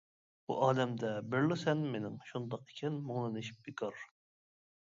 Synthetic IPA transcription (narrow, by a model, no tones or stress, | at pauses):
bṵʔɑːd̪ɛmd̪ɛbɪɾlɪsɛnmenɪŋʃund̪ɑqi̥kʲʰɛnmoŋlˠɨnɪʃi̥p̚bikʰɑɾ